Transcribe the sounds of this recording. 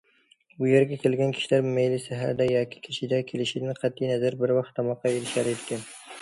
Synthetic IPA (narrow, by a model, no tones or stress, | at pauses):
bʊjeɾɡʲakʲʰelɡʲankʲʰɪ̥ʃlaɾmejlisaɦa̰ɾd̪ajɒkʲɪ̥kʲʰɪ̥ʃʰɪd̪akʲʰelɪʃɪnɪqʰɑt̪ʰːijnazaɾbɪɾwɑqt̪ʰːɒmɒqʰːɑeɾɪʃaɾed̪kʲan